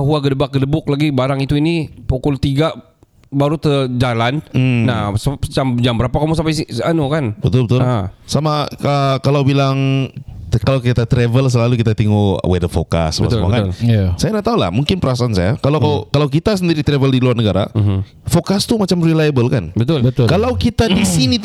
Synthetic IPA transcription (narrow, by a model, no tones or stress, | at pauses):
aɦuaɡədəbak̚ɡədəbʊk̚laɡibaɾaŋit̪uinipokɔlt̪iɡa | baɾut̪əd͡ʒalanːasəət͡ʃamd͡ʒambəɾapakamus̬ampasianukanbət̪ʊlbət̪ʊlsamaəkalawbilaŋ | kalawkit̪at̪ɾɛvəls̬əlalukit̪at̪iŋuwɛdəfo̰ka̰sma̰ma̰kalasajanaʔt̪aula̰hmuŋkɪnpəɾasaʔansajakalakakalawkit̪as̬əndiɾit̪ɾɛvəldiluarnəɡaɾa̰ | fokast̪umat͡ʃamrilajabəlkanbət̪ʊlbət̪kalawkit̪adisini